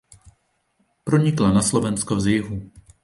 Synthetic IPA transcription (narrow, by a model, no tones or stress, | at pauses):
pɾo̞ɲɪklanaslo̞vɛnskozjɪɦu